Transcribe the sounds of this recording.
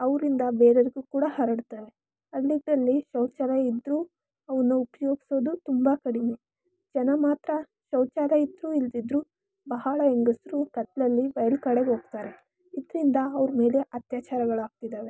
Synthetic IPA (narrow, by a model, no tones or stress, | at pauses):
ɐʋɾind̪ɐbeːɾɐɾiɡukuːɽɐhɐɾɐɽt̪aːɾe | ɐlːiɡɽɐlːiʃɐwt͡ʃaːɾɐid̪ɾuː | ɐʋɐnːuupɐjo̞ːɡisoːd̪ut̪umbɐkɐɽimi | d͡ʒɐnɐmaːt̪ɾɐ | ʃɐwt͡ʃaːɾɐid̪ɾuːild̪id̪ɾuː | bɐɦaɭɐeŋɡɐsɾukɐt̪lɐlːiʋɐjɐlkɐɽeɡo̞ːɡt̪aːɾe̞ | id̪ɾind̪ɐːʋɾme̞ːle̞ʔɐt̪jaːt͡ʃaːɾɐɡɐɭaːɡ̚t̪id̪aːʋe̞